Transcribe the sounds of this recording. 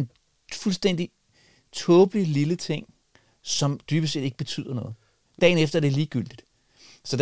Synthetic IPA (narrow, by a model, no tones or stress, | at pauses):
n | fulsd̥en̰d̥i | t͡sʰɔ̽ːb̥lililət͡sʰe̝ŋ̰ | sɒ̽md̥yːb̥əs̬e̝̰ːd̥e̝ɡ̥əb̥e̝t͡sʰy̰ːð̰ˠɐnɔ̽ːð̞̩ˠ | d̥ɛ̰ːnefd̥ɐæɐd̥e̝liːɡ̥yl̰d̥id̥ | sɒ̥̽